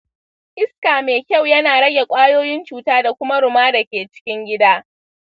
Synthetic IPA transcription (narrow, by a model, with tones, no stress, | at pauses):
ʔɪ˦skaː˨meː˨kʲa˦˨wjɐ˦naː˨ɽɐ˦ɡʲe˨kʷʼaː˦joː˦jɪ˦nt͡ʃuː˨taː˦da˨kʷʊ˦ma˦ɽʊ˨maː˦da˨kʲeː˨t͡ʃɪ̥˦kʲɪ˦ŋɡʲɪ˦daː˦